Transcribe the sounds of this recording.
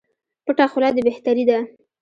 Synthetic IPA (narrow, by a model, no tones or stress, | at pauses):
pəʈɑxʊlɑd̪ebeht̪aɾid̪a